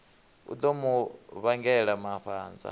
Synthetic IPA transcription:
ṵd̪ɔmuβaŋɡɛɺamaɸaːnd͡za̰

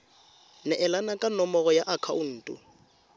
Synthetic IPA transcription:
nɛʔɛlanakʼanɔmɔɣɔjaʔakʰaʊn̩ːtʼʊ̰

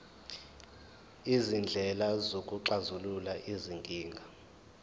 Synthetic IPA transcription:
izind͡ɮʱɛlazokʼuǃazululaʔiziŋɡʱʼiːŋɡʱa

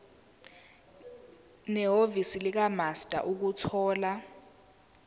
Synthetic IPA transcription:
nɛɦovisilik̬amastʼa̰ʔuk̬utʰɔːla

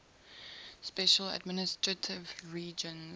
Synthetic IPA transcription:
spɛʃəla̰dmɪnɪstɹətʰɪvɹiːd͡ʒə̃n

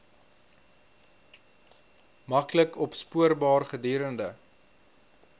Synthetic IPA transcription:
mɐkləkɔpspuərbɑːrχədiːɾəndə

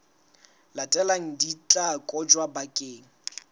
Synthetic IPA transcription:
latʼɛlaŋ̩dit͡ɬʼakʼɔd͡ʒwabakʼeːŋ̩

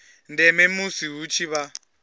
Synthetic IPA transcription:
ndɛmɛmusiɦut͡ʃʰiβa

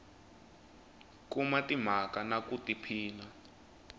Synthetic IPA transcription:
kumatim̤akanakutipʰiːla

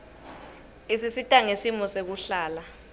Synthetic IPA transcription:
isisitʼaŋesimɔsek̬uɬaːla

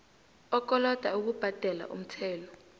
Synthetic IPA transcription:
ɔk̬ɔlɔd̥ʱauk̬ub̥ʱad̥ʱɛla̰ʔṵm̩tʰɛːlɔ

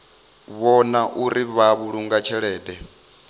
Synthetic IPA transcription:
βɔnaʔuɾiβaβuɺuŋɡat͡ʃʰɛɺɛːdɛ

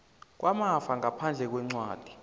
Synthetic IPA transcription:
k̬wʔamafaŋapʰand͡ɮʱɛk̬wɛŋ͡ǀwaːd̥ʱi̥

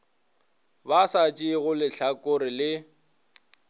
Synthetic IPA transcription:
basat͡ʃʼiɣʊlɪɬakʼʊɾɪlɪ

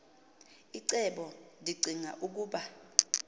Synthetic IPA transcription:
iǀɛɓɔndʱiɡ͡ǀʱiŋa̰ʔuk̬uːɓa

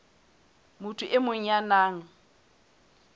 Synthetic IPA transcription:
mʊtʰʊʔɪmʊɲ̩janaːŋ̩

